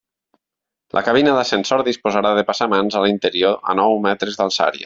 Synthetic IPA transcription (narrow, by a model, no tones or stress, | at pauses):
lʔə̰kaβ̞inəðəsensoɾðispozaɾaðepasamanzalint̪əɾioə̰nɔwmɛt̪ɾezðalˠsa̰ɾjə̰